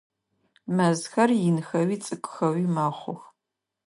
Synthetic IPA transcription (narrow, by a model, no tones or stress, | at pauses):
mɐzxɐrjɪnxɐwiːt͡sʼɨkʷʼʊxɐwiːmaːχʷʊx